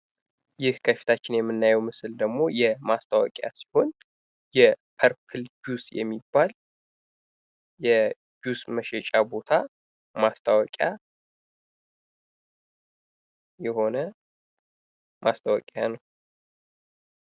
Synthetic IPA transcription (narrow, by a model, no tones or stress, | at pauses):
jɪhkʰəfi̥t̪ʰat͡ʃːɪnjɛmːɨnːajɛwmɨsɨld̪əɡmo̞jɛmast̪ʰʼawɔ̰kʼja̰si̥ho̞n | jɛpʰəɾkʰɨld͡ʒusjɛ̰mːibːal | jɛ | d͡ʒusməʃɛt͡ʃʼabo̞t̪ʰa | mast̪ʼʰawɔkʼja | jɛho̞nə | mast̪ʰʼawɔkʼjanəw